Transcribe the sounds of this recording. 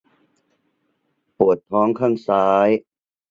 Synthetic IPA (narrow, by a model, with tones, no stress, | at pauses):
pu˨˩ət̪̚pʰɔː˦ŋkʰaː˥˩ŋsaː˦j